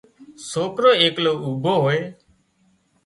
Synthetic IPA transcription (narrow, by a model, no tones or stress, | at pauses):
soːkɾoːeːkloːuːbʱoːɦoːeː